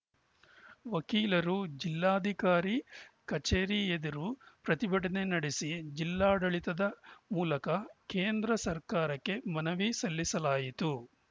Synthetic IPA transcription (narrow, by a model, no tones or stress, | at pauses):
ʋɐkiːlɐɾud͡ʒilːaːd̪ʱikaːɾikɐt͡ʃeːɾied̪ɐɾupɾɐt̪ibɐʈɐnenɐɽesid͡ʒilːaːɽɐɭit̪ɐd̪ɐmuːlɐkɐkeːnd̪ɾɐsɐɾkaːɾɐkːe̞mɐnɐʋisɐlːisɐlaːjit̪u